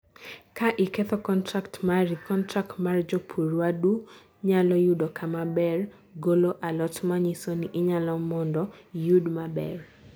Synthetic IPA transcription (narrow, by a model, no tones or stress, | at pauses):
kaʔɪkɛt̪ɔkɔntɾaktmaɾikɔntɾak̚tmard͡ʒopʰuɾwadu | ɲalɔjudɔkamabɛr | ɡoloʔalɔtmaɲisoniʔɪɲalɔmɔndɔjudmabɛ̰r